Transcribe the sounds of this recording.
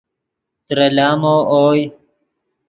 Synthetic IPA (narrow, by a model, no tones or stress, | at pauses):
t̪ɾɐlaːmoːʔoːj